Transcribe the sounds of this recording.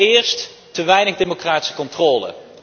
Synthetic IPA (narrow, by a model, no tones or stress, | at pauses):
ɪːɹst | təʋɛjnəχdemokraːti̥sə̥kɔntrɔːlə̰